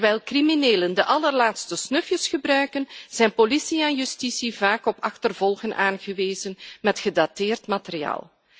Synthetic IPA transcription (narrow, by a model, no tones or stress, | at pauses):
ʋɛjlˠkrimineːləndəʔɑlərlaːtstəsnɵfjəsxəbrœɥkənz̥ɛjnpolisiɛnjystisivaːkɔpɑxtərvɔlˠɣənʔa̰ːnɣəʋeːzənmɛtxədatɪːrtmateria̰ːlˠ